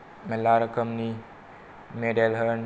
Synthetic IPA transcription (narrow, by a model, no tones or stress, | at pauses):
mɛlːaɾəkəmni | meɖelɦən